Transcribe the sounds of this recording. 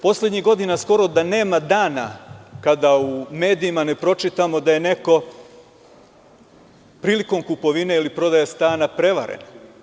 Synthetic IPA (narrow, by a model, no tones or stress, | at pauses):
po̞slʲe̞d̪ɲiɣɡo̞d̪inasko̞ɾo̞d̪ane̞ːmad̪aːna̰kad̪aume̞ːd̪iimane̞pɾo̞t͡ʃit̪amo̞d̪aje̞ne̞ko̞ | pɾiːliko̞mkupo̞ʋine̞ilipɾo̞d̪ajast̪aːnapɾe̞ʋa̰ɾḛno